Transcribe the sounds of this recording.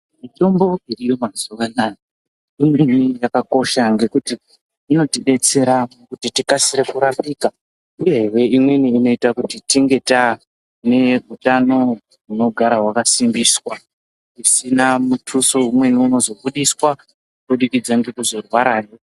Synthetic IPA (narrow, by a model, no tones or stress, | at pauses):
mito̞mbo̞irijo̞mazuʋanaka | ɗunenijakako̞ʃaŋɡe̞kutiː | no̞tiɗe̞t͡se̞ɾakutitikasiɾekuɾambiːka | uje̞ɦewe̞imwe̞niːno̞itakutitiŋɡe̞ta | ne̞utano̞ | ɦuno̞ɡʱaɾaɦwakasimbiswa | isinamutʰusoumwe̞niuno̞zo̞buɗiswa | kukuɗikid͡zaŋɡe̞kuzo̞rwaɾaːjo̞